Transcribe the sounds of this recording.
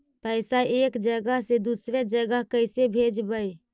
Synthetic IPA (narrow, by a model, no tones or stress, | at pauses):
pəɪsaeːkd͡ʒəɡəɦsed̪usɾed͡ʒəɡəɦkəɪsebʱed͡ʒbəj